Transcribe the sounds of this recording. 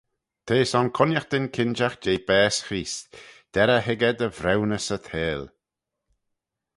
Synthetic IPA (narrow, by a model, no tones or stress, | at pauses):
t̪ʰeːsɔnkʰʊnjəxd̪ɪnkʰɪnd͡ʒaxd͡ʒejbɛːsxɾiːsd̪̥ɛɾəɦɪɡəd̪əvɾɛwnəsət̪ʰeːl